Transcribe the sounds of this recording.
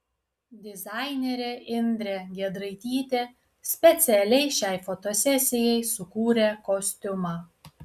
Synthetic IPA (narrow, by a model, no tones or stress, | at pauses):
d̪ʲɪzɑˑɪnʲɛɾʲeʔɪnʲd̪ʲɾʲeɡʲɛd̪ɾɐɪt̪ʲiːt̪ʲe | sʲpʲɛt̪sʲɪɛlʲɛɪʃʲɛɪfɔt̪osʲɛsʲɪjɛɪsʊkuːɾʲekɔsʲt̪ʲʊmɑː